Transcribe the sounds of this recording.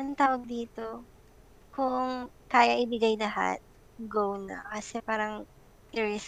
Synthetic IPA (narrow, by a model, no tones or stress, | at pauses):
ɐŋt̪aːwɐɡ̚d̪iːt̪o̞ | kʊŋkaːjɐʔɪbɪɡajlɐɦa̰t̪̚ | ɡownɐ̰kɐsɛpaːɾɐŋ | ɪɹɛs